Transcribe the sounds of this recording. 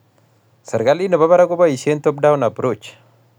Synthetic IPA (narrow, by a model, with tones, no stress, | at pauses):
sə˨ɾɡali˦nə˨ba˦βa˦ɾa˦ɡo˦bai˨ʃent̪o˦bda˦wna˨bɾot͡ʃː